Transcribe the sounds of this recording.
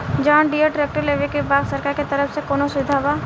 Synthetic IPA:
d͡ʒãːɳɖiːəʈɾeːk̚ʈəɾleːʋekebaːɡ̪səɾkaːɾket̪ɐɾəfsekoːnosʊʋɪd̪ʱaːʋa

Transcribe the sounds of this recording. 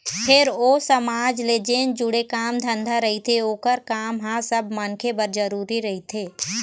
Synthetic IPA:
pʰɪɾoːsəmaːd͡ʒleːd͡ʒeːnd͡ʒʊɽekaːmd̪ʱə̃nd̪ʱaɾɐɦit̪ʰeoːkəɾkaːmɦãsəbmənkʰebəɾd͡ʒəɾuːɾiɾɐɦit̪ʰeː

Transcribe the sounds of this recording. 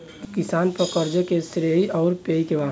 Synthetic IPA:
kɪsaːnpəɾkəɾd͡ʒekesɾeiɔːɾpeikeʋãː

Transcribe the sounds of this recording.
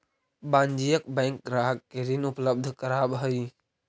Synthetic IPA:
bãːnd͡ʒijəkbɛ̃ːŋk̚ɡɾaːɦəkːeɾinʊpləb̚d̪ʱkəɾaːbɦəi

